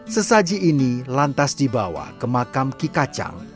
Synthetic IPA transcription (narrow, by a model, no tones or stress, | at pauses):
səsad͡ʒiʔːnilant̪asdibawa̰kəmãkamkikat͡ʃa̰ŋ